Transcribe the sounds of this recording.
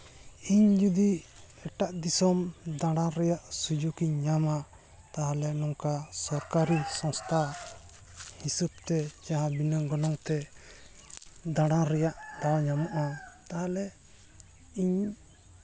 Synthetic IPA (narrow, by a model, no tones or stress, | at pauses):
iɲd͡ʒud̪i | ɛʈaʔd̪isɔmd̪ãɽãɾɛjaʔsud͡ʒukiɲɲama | t̪aɦalɛnɔŋkasɔɾkaɾisɔŋst̪ʰa | hisəb̚t̪ɛd͡ʒaɦãbinəɡɔnɔŋt̪ɛ | d̪ãɽãɾɛjaʔd̪awɲamɔʔat̪aɦalɛ | iɲ